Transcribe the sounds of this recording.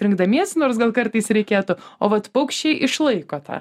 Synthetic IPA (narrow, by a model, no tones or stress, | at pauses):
ɾʲɪŋɡ̚d̪ɐmʲiɛsnoːrsɡɐlˠkɐrt̪ɨɪsɾʲɛɪkʲiːt̪ʊoːʋɐt̪pɐʊkʃʲt͡ʃʲɛɪʔɪʃlˠɐɪkoːt̪ɑ̰ː